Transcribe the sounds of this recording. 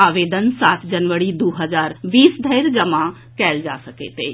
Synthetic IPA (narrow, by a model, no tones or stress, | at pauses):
aːʋeːd̪ənsaːt̪ʰd͡ʒənʋəɾid̪oːɦəzaːɾʋiːsd̪ʱəɪɾd͡ʒəma | kɛːld͡ʒa̰ːsəkḛːt̪eː